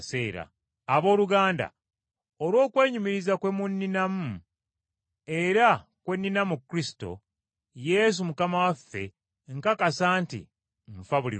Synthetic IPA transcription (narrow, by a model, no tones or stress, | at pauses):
se̞ːɾa̰ː | βo̞ːluɡaːnda̰ | olwo̞ːkwe̞ːɲumiɾizakwe̞munːinamu | eɾa | kwe̞nːinamukːɾisi̥to̞̰ | je̞s̬umukamawafːe̞̰ | ŋkakasaːntḭ | ɱfaβulḭ